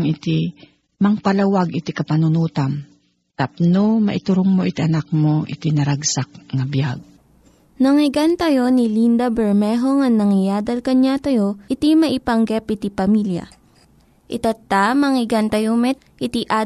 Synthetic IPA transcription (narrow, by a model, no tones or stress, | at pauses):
ŋɪt̪i | mɐŋpɐlɐwaɡɪt̪ikɐpɐnʊnuːt̪am | t̪ap̚nomɐ̰ʔɪt̪ʊɾʊŋmoʔɪt̪iʔɐnak̚mo̞ʔɪ̰t̪inɐɾaɡsak̚ŋɐbjaɡ̚ | nɐŋɪɡant̪ɐjo̞nilind̪ɐbɛɹmɛɦoŋɐŋnːɐŋɪjaːd̪ɐlkɐɲat̪ɐjoʔɪt̪imɐʔɪpɐŋɡɛpɪt̪ipɐmiljɐ̰ | ʔɪt̪ɐt̪ːamɐŋɪɡant̪ɐjomɛt̪̚ʔɪt̪iʔa